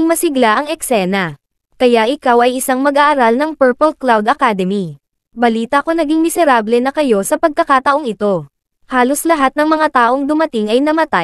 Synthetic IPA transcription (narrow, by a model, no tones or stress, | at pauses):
ŋmɐsɪɡlaʔɐŋɛksɛːnɐ | kɐjaʔɪkawɐjɪsaŋmɐɡʔaːʔːɾalnɐŋpɛɹpolklawd̪ɐkad̪ɛmi | bɐliːt̪ɐɐko̞nɐɡiŋmɪsɛɾaːblɛnɐkɐjo̞sɐpɐɡ̚kɐkaːt̪ɐʔo̞ŋɪt̪o̞ | haːlo̞slɐɦat̪̚nɐŋmɐŋat̪aːʔo̞ŋd̪ʊmɐt̪ɪŋɐjnɐmɐt̪aj